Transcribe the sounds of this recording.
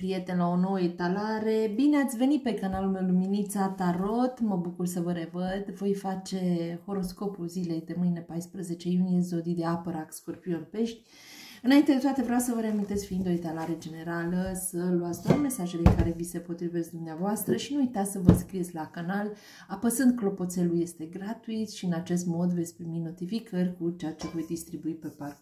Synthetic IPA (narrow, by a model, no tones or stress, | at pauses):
pɾije̞t̪enlao̞no̞wəet̪alaɾe̞bineat̪sʲve̞nit̪̚pe̞kanalulmewluminit̪sat̪aɾo̞t̪məbukursəvəɾe̞vəd̪vo̞jfat͡ʃe̞ho̞ɾo̞sko̞pulzile̞jd̪e̞mɨjnepajspɾəze̞t͡ʃe̞junijezo̞d̪id̪e̞apəɾakskorpio̞npe̞ʃt̪̚ʲ | ɨnaint̪ed̪et̪wat̪e̞vɾeawsəvəɾeamint̪e̞tsʲfiind̪o̞et̪alaɾe̞d͡ʒe̞ne̞ɾaləsəluat̪sd̪ame̞saʒelekaɾe̞vise̞po̞t̪ɾive̞sʲd̪umneavoast̪ɾəʃinuujt̪at̪ssəvəskɾijetsʲlakanal | apəzɨnd̪̚klo̞po̞t̪se̞luje̞st̪e̞ɡɾat̪uit̪sʃiɨnat͡ʃe̞st̪mo̞d̪vet̪sʲpɾimino̞t̪ifikʰərʲkut͡ʃeat͡ʃe̞vo̞jd̪ist̪ɾibuipe̞park